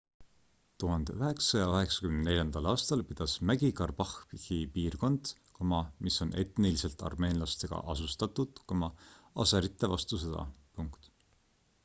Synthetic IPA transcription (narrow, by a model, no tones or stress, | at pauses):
t̪uɦɑnd̪̥eyɦe̞ksɑjɑyɦe̞ksɑkymnne̞lʲjɑnd̪̥ɑlɑːst̪ɑlpid̪̥ɑsmæɡikɑrb̥ɑhpihipiːrko̞nd̪̥ | komɑmiso̞nʔe̞t̪nilise̞lt̪ˑɑ̰rme̞ːnlɑst̪e̞ɡ̥ɑ̰ʔɑsust̪ɑt̪ːˑud̪̥komɑɑseɾit̪ˑːe̞vɑst̪used̪ɑ̰puŋkt̪